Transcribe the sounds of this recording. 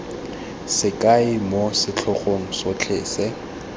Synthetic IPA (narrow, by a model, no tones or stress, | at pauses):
sɪkʼaɪmosɪt͡ɬʰʊχoŋ̩sot͡ɬʰɪːsɛ